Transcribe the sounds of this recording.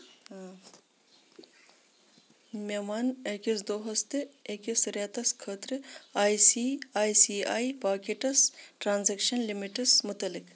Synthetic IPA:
mʲemanekisd̪oːɦɐst̪eekisɾaːt̪ɐskʰəːt̪ɾɨaːjsiaːjsiajpaːkeʈɐsʈɾaːnzekʃɐnlimiʈɐsmut̪ɐlik

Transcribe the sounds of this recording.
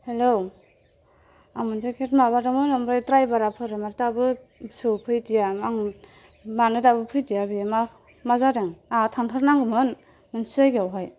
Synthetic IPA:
helo | amɯnzekʰetmabadɯmɯnamɾajtɾajbaɾapʰɯɾɯmaɾtabɯ | sɯpʰɯjtijamaŋ | manɯtabɯpʰɯjtijabima | mazadɯŋatʰaŋtʰaɾnaŋɡɯmɯn | mɯnsajɡawɦaj

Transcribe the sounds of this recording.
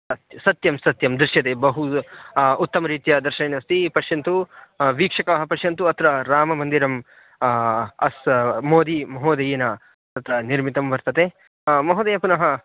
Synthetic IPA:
ɐt̪sɐt̪jɐmsɐt̪jɐmd̪ɾɐʃjɐt̪eːbɐɦu | ut̪ːɐmɐɾiːt̪ijɐd̪ɐɾʃɐneːnɐst̪ipɐʃɐnt̪uʋiːkʂɐkaɦɐpɐʃjɐnt̪uɐt̪ʰɾɐɾaːmɐmɐnd̪iɾɐm | ɐsmoːd̪imɐɦoːd̪ɐjenɐ | t̪ɐt̪ɐniɾmit̪ɐmʋɐɾt̪ɐt̪e | mɐɦoːd̪ɐjɐpunɐɦɐ

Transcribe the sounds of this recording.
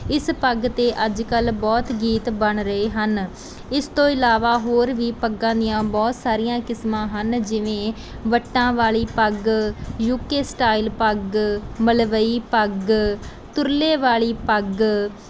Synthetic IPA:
ɪspəɡt̪eːʔəd͡ʒkəlbɔːt̪ɡiːt̪bəɳɾəeːɦən | ɪst̪õːɪlaːʋaːɦoːɾʋiːpəɡːãːd̪ɪjãːbɔːt̪saːɾɪjãːkɪsmãːɦənd͡ʒɪʋẽː | ʋəʈːãːʋaːɭiːpəɡjuːkeːsʈaːilpəɡməlʋəiːpəɡ | t̪ʊɾleːʋaːɭiːpəɡ

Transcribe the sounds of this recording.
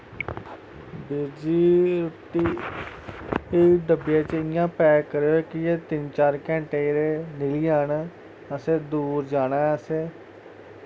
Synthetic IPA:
beːd͡ʒiːɾʊʈiː | eɖəbɪjãːt͡ʃɪnɪjãːpɛːkəɾeːoeːkɪjeːt̪ɪnt͡ʃaːɾkɛ̃ːɳʈeːɾeːnɪliːaːnː | əseːd̪uːɾd͡ʒaːɽ̃aːəseː

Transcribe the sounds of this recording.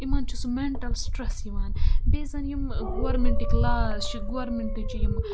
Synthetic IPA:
imaːnt͡ʃʰusumeɳʈɐlsʈɾɐsimaːnbeːzɐnjimɡoʋɐɾmeɳʈiklaːst͡ʃiɡoʋɐɾmeɳʈit͡ʃijim

